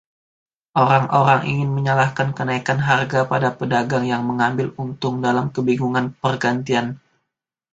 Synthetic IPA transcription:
ʔoɾaŋʔoɾaŋʔḭŋɪnməɲalahkankənaikanɦarɡapadapədaɡaŋjaŋməŋambɪlunt̪ʊŋdalamkəbiŋuŋanpərɡant̪ian

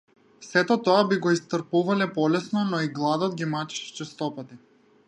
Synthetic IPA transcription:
sɛt̪ɔt̪ɔabiɡɔist̪əɾpuvalɛpɔlɛsnɔnɔiɡlˠad̪ɔd̪̚ɡʲimat͡ʃi̥ʃɛ̥t͡ʃɛst̪ɔpat̪i

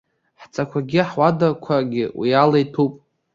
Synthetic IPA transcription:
ħt͡sʼakʷʰaɡʲiħwadakʷʰaɡʲɪwḭalajtʰupʼ

